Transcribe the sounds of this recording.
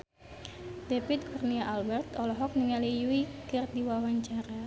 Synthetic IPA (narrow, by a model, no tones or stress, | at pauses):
defit̪̚kurniaʔalbɛrt̪ɔlɔɦɔk̚niŋalijuikɨrdiwawaɲt͡ʃaɾa